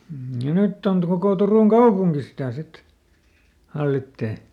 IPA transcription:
m̩ jɑ nytː ont kokoˑ turuˑŋ kɑupuŋki sitæˑ sit hɑlːitːeː

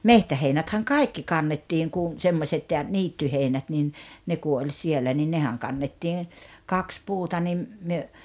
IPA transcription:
mehtæheinæthæŋ kɑi̞kːi kɑnːetːiŋ kun̞ semːosʲet jɑ niːtːyheinæt nin ne ku olʲ sielːæ ni nehæŋ kɑnːetːiːn̞ kɑks puːtɑ nim myø

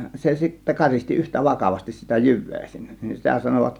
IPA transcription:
se sitːæ kɑristi yhtæ ʋɑkɑʋɑstis sitæ jyʋˑeː sinːe̥ nin sitæ sɑnoʋɑt

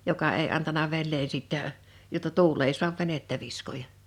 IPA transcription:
jokɑ eˑi ɑntɑnɑ ʋenːeː siˑtːæ jotːɑ tuːl ei suɑʋ ʋenetːæ ʋiskojɑ

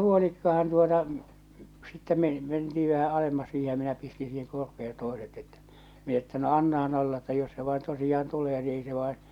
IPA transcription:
huolikːɑhɑn tuotɑ sitːe men mentii ʋæhæ ɑlemːɑs siːhe jɑ minæ pisti siːheŋ korpeen̞ toˑeset etːæ̥ min etːæ no ɑnːɑhɑn olːɑ etːæ jos se ʋɑen tosijɑːn tuleː ni ei se ʋɑˑen

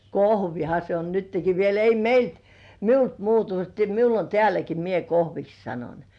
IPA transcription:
kohʋinɑ se o nytːeki ʋiel ei meilt miult muːtu teæ miul on teælæki mie kohʋiks sɑnon

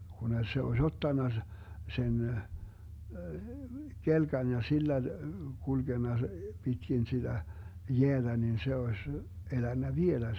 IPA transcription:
kune se osʲ otːɑnːɑ sen kelkɑn jɑ silːæ kulɡ̊enːɑ pitkin sid̥æ jeæd̥æ nin se osʲ elænːæ ʋielæ

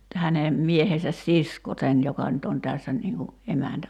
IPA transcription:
hæne miehesæs sisko sen jokɑ nyt on tæsːæ niːŋ ku emæntæ

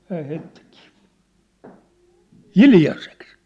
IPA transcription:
hæːh heĭtːikiː hiljɑseks

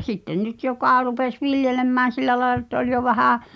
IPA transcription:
sitːen nyt jokɑˑ rupes ʋiljelemːæːn̞ silːæ lɑelɑ̆ ĕtːæ olʲ jo ʋæhæˑ

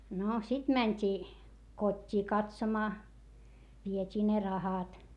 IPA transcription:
no sit mænʲtʲiː kotʲːiː kɑtsomɑː ʋietʲiː ne rɑhɑt

